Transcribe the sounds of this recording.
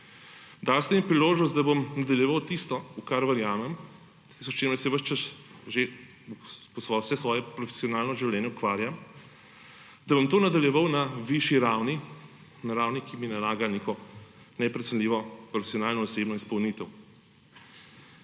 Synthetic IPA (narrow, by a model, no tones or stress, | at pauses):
d̪alst̪ɛmipɾiloːʒnɔst̪d̪abomnad̪ɐljɛʋawt̪ist̪ɔukaɾʋəɾjaːmɛm | t̪ist̪ɔst͡ʃeɾmɛsɛʋəʃt͡ʃɐs | ʒe | pɔsʋɔsɛsʋɔːjɛpɾɔfe̥siɔnaːlnɔʒiwlʲɛːnjɛukʋaːɾjam | d̪ɐbomt̪oːnad̪ɐljɛʋawnaʋiʃiɾawni | naɾaːwnikʰiminalaːɡanekɔ | nɛpɾɛt̪sənlʲiʋɔpɾɔfe̥sijɔnaːlnɔːsebnɔispɐwnit̪ɛw